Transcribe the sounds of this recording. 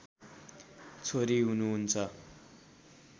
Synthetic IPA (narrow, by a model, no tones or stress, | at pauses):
t͡sʰoɾiɦunuɦunt͡sʰʌ